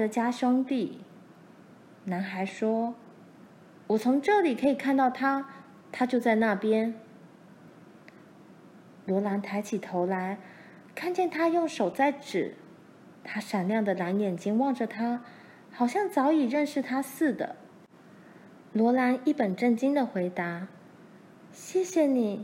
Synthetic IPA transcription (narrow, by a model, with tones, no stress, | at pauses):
ə˧˩t͡ɕja˥ɕwɑ˥ŋt̪i˥˩ | na˧˥nxa˧˥ɪʂwɔ˥ | wɔ˨˩t͡sʰʊ˧˥ŋʈ͡ʂɤ˥˩li˨˩kʰɤ˧˥i˨˩kʰa˥˧nt̪ɑ˥˩ʊt̪ʰa˥ | t̪ʰa˥t͡ɕjo˥˧ʊt͡sa˥˧ɪna˥˩pjɛ˥n | lwɔ˧˥la˧˥nt̪ʰa˧˥ɪt͡ɕʰi˨˩t̪ʰo˧˥ʊla˧˥ɪ | kʰa˥˧nt͡ɕjɛ˥˩nt̪ʰa˥jʊ˥˩ŋʂo˨˩ʊt͡sa˥˧˩ɪʈ͡ʂɻ̩˨˩˦ | t̪ʰa˥ʂa˨˩nljɑ˥˩ŋd̪ə˩la˧˥njɛ˨˩nt͡ɕi˥ŋwɑ˥˩ŋʈ͡ʂə˩t̪ʰa˥ | xɑ˨˩ʊɕjɑ˥˩ŋt͡sɑ˧˥ʊi˨˩ɻə˥˧nʂɻ̩˥˩t̪ʰa˥sɹ̩˥˩d̪ə̰˩ | lwɔ˧˥la˧˥ni˥˩pə˨˩nʈ͡ʂə˥˩nt͡ɕi˥ŋd̪ə˨xwe˧˥ɪt̪a˧˥ | ɕjɛ˥˩ɕjɛ˨˩ni˨˩˦